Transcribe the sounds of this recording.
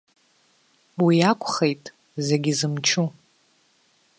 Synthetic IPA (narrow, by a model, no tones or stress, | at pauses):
wiakʷʰʼχe̞jtʼ | ze̞ɡʲizɨmt͡ʃʰu